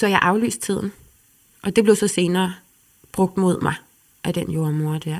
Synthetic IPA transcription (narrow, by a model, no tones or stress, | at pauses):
sɒ̽jɑ̈ɪʔɑ̈ʊly̰ːsd̥̚t͡sʰið̞̰ˠn̩ | ʔɒ̽d̥e̝b̥leʊsɒ̽se̝ːnɐː | b̥ʁɔ̽ɡ̥̚d̥mo̝ð̞̰ˠmɑ̈ɪ | ʔæd̥enjo̝ɐmo̝ɐd̥æɐ̰